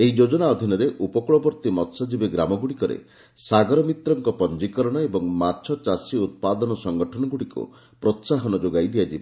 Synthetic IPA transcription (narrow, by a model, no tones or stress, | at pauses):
eɦid͡ʒod͡ʒɔnaɔd̪ʱinɔɾeʔupɔkuɭɔbɔɾt̪imɔt̪sad͡ʒibeɡɾamɔɡuɽikɔɾḛ | saɡɔɾɔmit̪ɾɔŋkɔpɔnd͡ʒikɔɾɔɽ̃ɔebɔŋmat͡ʃʰɔt͡ʃasiut̪̚pad̪ɔnɔsɔŋɡɔʈʰɔnɔɡuɽikṵ | pɾɔt̪saɦɔnɔd͡ʒoɡajd̪iad͡ʒib